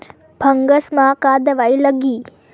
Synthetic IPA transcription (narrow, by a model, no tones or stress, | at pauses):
bʱɐŋɡɐsmaːkaːd̪ɐʋɐjlɐɡi